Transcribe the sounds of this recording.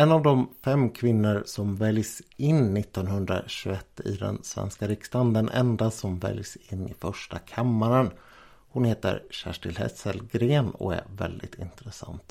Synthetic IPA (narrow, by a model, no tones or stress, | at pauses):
ɛnːavd̪ɔmfɛmːkʰvɪnːʊɾsɔmvɛljsɪnːɪt̪ːɔnhɵnd̪ɾa̰ɕɵɛt̪ːɪ̰d̪ɛ̰nsvɛ̰nskaɾɪkst̪and̪ɛnʔɛ̰nd̪asɔmvɛ̰ljsɪnːɪfœʂʈakʰamːaɾən | hʊnheːt̪ə̰ɾɕæʂʈɪlhɛ̰səlɡɾeːnɔ̰æɾvɛ̰ld̪ɪt̪ɪnt̪ɾɛsa̰nt̪